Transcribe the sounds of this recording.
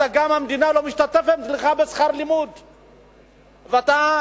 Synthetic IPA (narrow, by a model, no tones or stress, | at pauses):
taɡamhamd̪inalomiʃt̪at̪efett̪liχabesχaɾlimud̪ | veat̪a